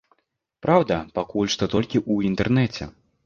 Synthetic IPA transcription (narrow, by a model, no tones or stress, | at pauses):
pɾawd̪ɐpakulʲʂt̪ɔt̪ɔlʲkʲiʔuint̪ɛrnɛt͡sʲɛ̰